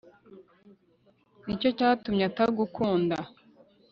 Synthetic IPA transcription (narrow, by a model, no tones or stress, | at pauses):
nico̞caːtumɲaataβiɡukʰuːnda